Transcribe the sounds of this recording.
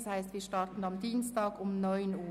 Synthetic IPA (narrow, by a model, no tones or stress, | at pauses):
shæɪst̪ʋiːʃtɑːt̪n̩ʊmd̪iːnst̪ɑːɡʊmnɔʏnuː